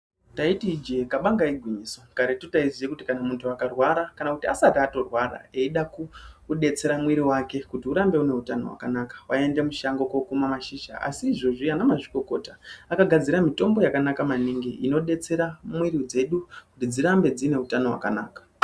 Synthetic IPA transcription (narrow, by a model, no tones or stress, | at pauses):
taitiːd͡ʒekaɓaŋɡaiɡʱwiɲiso̞kaɾetutaizijekutikanamuntʰuakarwaɾakanakutiasatiato̞rwaɾa̰eiɗakuɗe̞t͡se̞ɾamwiɾiwake̞kutiuɾambe̞une̞utano̞̰wa̰kanakḁwae̞nde̞muʃaŋɡo̞kokumamaʃiʃa̰a̰siːʐo̞ʐianamaʐiko̞ko̞taakaɡʱad͡ziɾamito̞mbo̞jakanakamaniŋɡiino̞ɗe̞t͡se̞ɾamwiɾid͡ze̞ɗukutid͡ziɾambe̞d͡zine̞utano̞wa̰ka̰naːkḁ